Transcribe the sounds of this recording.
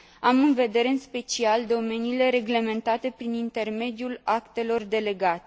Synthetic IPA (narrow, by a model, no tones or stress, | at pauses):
amɨnve̞d̪e̞ɾe̞ɨnspe̞t͡ʃiald̪o̞me̞niːle̞ɾe̞ɡle̞me̞nt̪at̪e̞pɾinint̪e̞rme̞d̪julakt̪e̞lo̞rd̪e̞le̞ɡat̪e̥